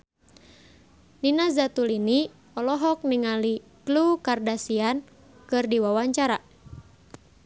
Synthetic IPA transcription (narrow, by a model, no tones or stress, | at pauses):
ninazat̪ulini | ɔlɔɦɔk̚niŋali | klukardasian | kɨrdiwawaɲt͡ʃaɾa